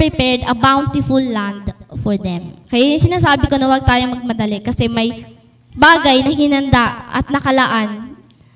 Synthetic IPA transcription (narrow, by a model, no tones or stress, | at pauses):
pɹɪpɛɹd̪ɐbawnt̪ɪfulːand̪fɔɹd̪ɛmkɐjajʊŋsɪnaːsaːbɪko̞nɐwɐɡ̚t̪aːjomɐɡ̚mɐd̪ɐlɛkɐsɛmɐj | baːɡɐjnɐhɪnɐnd̪aʔɐ̰t̪̚nɐkɐlɐʔan